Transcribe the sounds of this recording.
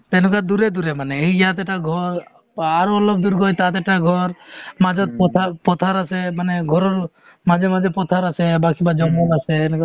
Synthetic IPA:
t̪ɛnɔkad̪uɾed̪uɾemaneejd͡ʒat̪ɛʈaɡʱɔɾ | aɾɔɔlɔb̚d̪uɾɡɔjt̪at̪ɛʈaɡʱɔɾmad͡ʒɔt̪̚pɔt̪ʰapɔt̪ʰaɾasemaneɡʱɔɾɔɾ | mad͡ʒemad͡ʒepɔt̪ʰaɾasebakibad͡ʒɔmɔlaseɛnɔka

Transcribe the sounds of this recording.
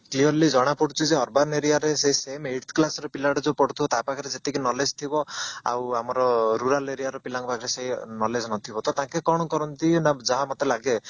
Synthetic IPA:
kliɔɾlid͡ʒɔɽ̃apɔɽut͡ʃʰuzeɔɾbaneɾijaɾeseɦisemeʈt̪ʰklasɔɾɔpilaʈɔd͡ʒepɔɽut̪ʰibɔt̪apakʰɾed͡ʒet̪ikinɔled͡ʒt̪ʰibɔa̰wamɔɾɔɾuɾaleɾijaɾɔpilaŋɔbakʰɾeseɦinɔled͡ʒnɔt̪ʰibɔt̪ɔt̪ãkekɔɽ̃ɔkɔɾɔnt̪inad͡ʒaɦamɔt̪elaɡe

